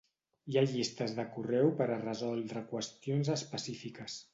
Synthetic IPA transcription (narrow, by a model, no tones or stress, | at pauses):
iaʎist̪əzðəkurɛwpəɾərəzɔlˠd̪ɾəkwəst̪ionzəspəsifikəs